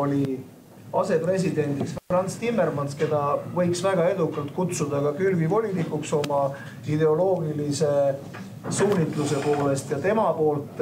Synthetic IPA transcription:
o̞lʲi | ɑse̞pre̞s̬id̪e̞nd̪̥iksfrɑnt̪st̪imːe̞rmɑnske̞d̪̥ɑvɤ̞jksvæɡ̥ɑe̞d̪ukːˑɑlt̪kut̪sud̪ɑkɑkylvivo̞lʲinikˑukso̞mɑ | id̪e̞o̞lo̞ːɡilise̞ | suːnʲit̪ˑluse̞po̞ːle̞st̪jɑt̪e̞mɑpo̞ːlt̪ˑ

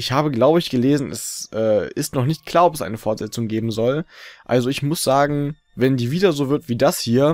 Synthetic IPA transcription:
ʔɪçhaːbəɡlaʊbəɪçɡ̥əleːzn̩ʔɛ̰sʔɛːɪstnɔχnɪçt̚kʰl̥aːɐɔpɛsʔa̰ɪnəfɔɐtz̥ɛt͡sʊŋɡeːbm̩zɔlʔalzoɪçmʊsz̥aːɡŋ̩ | vɛndiːviːdɐzoːvɪɐtv̥iːdashiːɐ

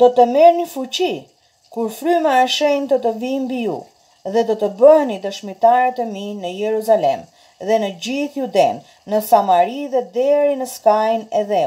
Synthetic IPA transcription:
d̪ɔt̪əmɛɾnəfut͡ɕi | kuɾfɾymɛaʃɛjnt̪ət̪əvimbijṵ | ðɛd̪ɔt̪əbəɦnid̪əʃmit̪aɾət̪ɛminəjɛɾuzalɛm | ðɛnəd͡ʑiθjud̪ɛnː | əsamaɾiðɛd̪ɛɾinəskajnɛðɛ

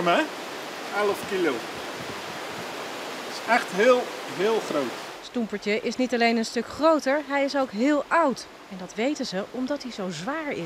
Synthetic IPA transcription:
əmɛ | aləfkilow | ɪsɛχtɦɪːlˠɦɪːlˠχrowtstumpəɹtəʔɪsnitɑlejnənstɵkχrowtəɹɦɛjɪsowkɦɪːlˠɑwt | ɛndɑtʋejtənzəʔɔmdɑtɦizowzʋaːɹɪ̰

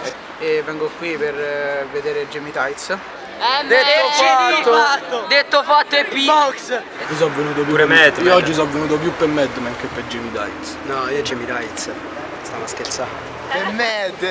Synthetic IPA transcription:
evɛŋɡokwiperved̪eːɾed͡ʒimit̪ajt̪s | ɛd̪et̪ːofatːoat̪ːod̪et̪ːofat̪ːoepːiɔks | visɔvːenuːt̪̬opjuɾemɛd̪iɔd͡ʒːis̬ɔvːenuːt̪op̬jupːemːɛd̪ːmɛŋkepːed͡ʒimit̪a̰jt̪snɔiod͡ʒimit̪ajt̪s | st̪anaskelsa | pemɛd̪

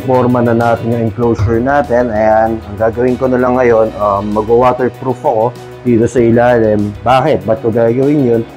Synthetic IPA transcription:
poɾmɐnɐnaːt̪ɪnjɐŋɪŋklowsʊɹnaːt̪ɛnɐjanʔɐŋɡaːɡɐwɪŋkonɐlɐŋːɐjo̞nʔɐmːɐɡowaːt̪ɛɹpɾufɐko̞ | d̪̥iːt̪osɐʔɪlaːlɪmbaːkɪt̪̚bɐt̪̚koɡaɡɐwɪnjon

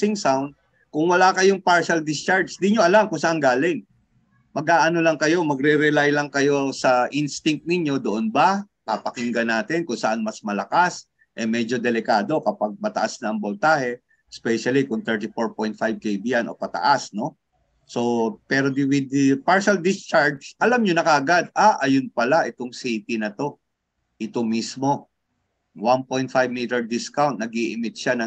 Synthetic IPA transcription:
sɪŋsawnd̪̚ | kʊŋwɐlaːkɐjoŋpaɹʃɐld̪ɪst͡ʃaɹd͡ʒd̪ɪɲoʔɐlamkʊŋsɐʔanɡaːlɪŋ | mɐɡ̚ʔaːʔɐno̞lɐŋkɐjo̞mɐɡɾɛɾɛlajlɐŋkɐjo̞sɐʔinst̪ɪŋk̚t̪̚nɪɲjo̞d̪oʔonbɐ | kapɐkɪŋɡɐnaːt̪ɪnkʊŋsɐʔanmɐsmɐlɐkas | ʔɛmɛd͡ʒo̞d̪ɛlɪkaːd̪o̞kɐpaɡ̚mɐt̪ɐ̰ʔasnɐʔɐŋbolt̪aːhɛ | spɛʃɐlikʊŋt̪ɛɹt̪ɪfoɹpo̞jnt̪̚fajb̚kejbijanʔo̞̰pɐt̪ɐ̰ʔasno̞ | so̞pɛɾo̞d̪iwɪd̪paɹʃɐld̪ɪst͡ʃaɹd͡ʒʔɐlamɲonɐkɐʔɐɡad̪̚ʔaʔɐjʊnpɐlaʔɪt̪oŋsit̪ɪnɐt̪o̞ | ʔɪt̪o̞mismo̞ | wanpo̞jnt̪̚fajvmiːt̪ɛɹd̪ɪskawnt̪̚nɐɡiʔɪmɪt̪̚ʃanɐ

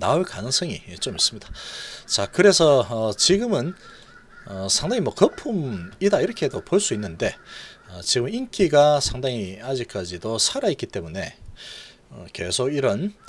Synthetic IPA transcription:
naoɭkanɯŋsʰʌŋit͡ɕomis͈ɯmɲid̥ḁt͡ɕakɯɾe̞sʰʌʌt͡ɕiɡɯmɯn | ʌsʰaŋdaŋimwʌkʌpʰumidaiɾʌkʰe̞dopoɭs͈uinːɯnde̞ʌt͡ɕiɡɯmɯnink͈ʰiɡasʰaŋdaŋiad͡ʑik͈ad͡ʑidosʰaɾaitk͈it͈e̞mune̞ | ʌke̞̰sʰoɡiɾʌn

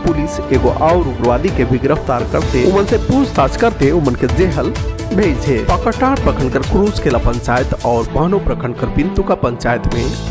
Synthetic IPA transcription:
puliseɡo̰ʔawɾuɡɾəʋad̪ikebiɡɾəpʰt̪aɾkəɾt̪eumənsẽpud͡ʒt̪at͡ʃkəɾt̪eumənked͡ʒeɦəl | bʱejd͡ʒʰʱɛpəkəʈaɾpɾəkʰəɳkəɾkɾud͡ʒkelapəɲt͡ʃajt̪ɔʊɾbanopɾəkʰəɳɖkəɾpint̪ukapəɲt͡ʃajt̪me

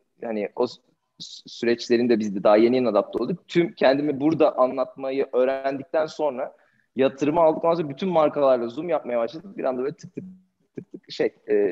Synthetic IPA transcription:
haniʔo̞ | syɾɛt͡ʃlʲe̞ɾind̪ɛbizd̪ɛd̪aɦajenijnad̪ap̚t̪ʰolˠd̪uk̚t̪ʰymcʰɛnd̪imibuɾd̪aʔanlˠat̪̚majɯʔø̞ːɾæænd̪ic̚t̪ʰænso̞nɾa | jat̪ʰɯɾɯmalˠd̪ɯkoasoɾabyt̪ʰynmaɾkalˠaɾlˠazumjap̚majabaʃlˠad̪ɯk̚biɾa̰nd̪aøːlʲɛt̪ʰɯ̥k̚t̪ʰɯk̚ | t̪ʰɯk̚t̪ʰɯkʃejɛː

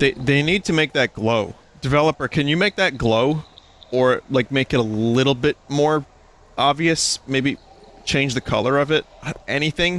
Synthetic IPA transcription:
ðeɪðeɪnid̚tʰɨmeɪk̚ðɨt̚ɡ̥loʊ | d̥ɨvɛlˠəpə˞kʰɨ̃njɨmeɪk̚ðɨt̚ɡ̥loʊ | ə˞laɪk̚meɪkɨɾəlɪɾl̩ˠbɪt̚mɔɹ | ʔɑbviɨsmeɪbi | t͡ʃʰẽɪ̃nd͡ʒðɨkʰʌ̰lˠə˞ʌvɪt̚ʌɛñiθɪ̃ŋ

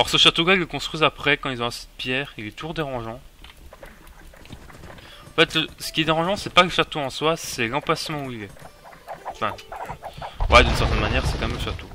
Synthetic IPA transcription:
ɔʁsəʃat̪oɡailːəkɔ̃st̪χɥizapχɛkɑ̃ilzɔ̃ɛ̃sid̪ə̥pjɛːʁilɛt̪uʒuʁd̪eʁɑ̃ʒɑ̃ | ɑ̃fɛt̪ləsə̥kʲiɛd̪eʁɑ̃ʒɑ̃sɛpaləʃat̪oɑ̃swasɛlɑ̃plasmɑ̃uilɛ̃ | fɛ̃ | wɛd̪ynsɛʁt̪ɛnmanjɛʁsɛkɑmɛmləʃat̪o

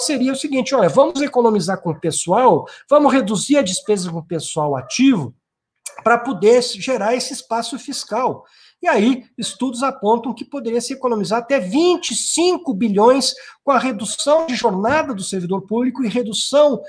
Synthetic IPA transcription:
seɾiɐʊsiɡĩnt͡ʃɪɔʎɐvɐ̃mʊzekonõmizaɾkõʊpesuawvɐ̃mʊzʁed̪uziɾɐd͡ʒɪspezɐkõpesuawa̰t͡ʃivʊ | pɾɐpod̪eɾʒeɾaɾesɪɪspasʊfiskaw | iaiɪst̪ud̪ʊzapõnt̪ɐ̃w̃kɪpod̪eɾiɐsɪekonõmizaɾat̪ɛvĩnt͡ʃɪsĩŋkʊbiʎõj̃skõɐʁed̪usɐ̃w̃d͡ʒɪʒoɾnad̪ɐd̪ʊseɾvid̪oɾpublikʊɪʁed̪usɐ̃w̃

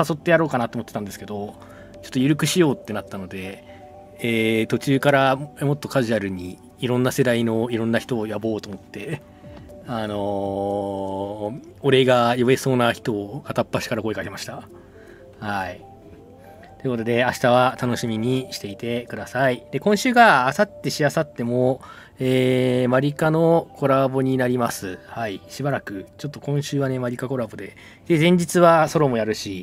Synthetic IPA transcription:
saso̞t̪ːe̞jaɾo̞ːkanat̪oːmot̪ːet̪ãnd̪e̞sɨ̥ke̞d̪o̞ | t͡ɕo̞t̪ːojɯ̟ɾɯ̟kɯ̟ɕijo̞ːt̪ːe̞nat̪ːano̞d̪e̞ | eːt̪o̞t͡ɕɨːkaɾamo̞t̪ːo̞kaʑɨaɾɯ̟ɲ̟iː | iɾõ̞nːase̞d̪aino̞iɾõ̞nːaçi̥t̪o̞ːjabo̞ːt̪omo̞t̪ːe̞ | ano̞ | oɾe̞ɡajoe̞so̞ːnaçi̥t̪o̞ːat̪apːaɕi̥kaɾako̞ekakʲemaɕi̥t̪a | hai | t̪o̞iɯ̟ko̞t̪o̞d̪e̞aɕi̥t̪aβ̞at̪ano̞ɕimʲiɲ̟iɕi̥t̪e̞it̪e̞kɯ̟d̪asaid̪̥e̞kõɰ̃ɕɨːɡaːsat̪ːe̞ɕiasat̪ːe̞mo̞ | eːmaɾʲikano̞kʰo̞ɾabo̞ɲ̟inaɾʲimasɨhaiɕibaɾakɯ̟t͡ɕo̞t̪ːo̞kõ̞ɰ̃ɕɨːβane̞maɾʲikako̞ɾabo̞d̪e̞ | d̪ezẽ̞ɲ̟d͡ʑit͡sɨβaso̞ɾo̞mo̞jaɾɯ̟ɕi

